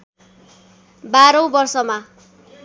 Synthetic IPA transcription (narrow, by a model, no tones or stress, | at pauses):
baɾʌ̃w̃bʌrsʌma